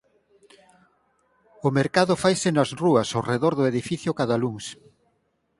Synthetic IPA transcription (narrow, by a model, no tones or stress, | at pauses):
ʊmeɾkaðʊfajsɪnɐzruɐsoreðoɾðʊeð̞ifiθjokaðɐluŋs